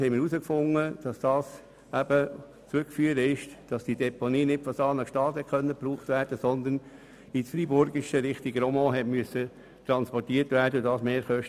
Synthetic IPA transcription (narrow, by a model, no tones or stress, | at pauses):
hɛɪmɪɾusəkfʊŋːəd̥ɑsd̥ɑːs | æb̥ə | t͡sʉkfyːəɾəɪʃd̥ɑsd̥idɛponiːnɪtfɔsɑːnəʃtɑːtɛkʰχœnːəpɾuːχtʋæːɾd̥əsɔnd̪ən | isfɾibʊɾɡɪʃəɾɪχtiɡəɾɔmɔ̃ːɦɛtmyəsːə | t̪ɾɑnspɔtiːətʋæːɾdədɑːsmeːɾχœʃt